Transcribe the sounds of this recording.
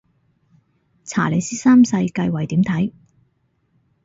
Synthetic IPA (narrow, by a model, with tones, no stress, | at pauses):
t͡sʰa̰ː˨˩le˨˧jsiː˥saː˥msɐ˧jkɐ˧jwɐ˨˩jt̪iː˨˥mt̪ʰɐ˨˥j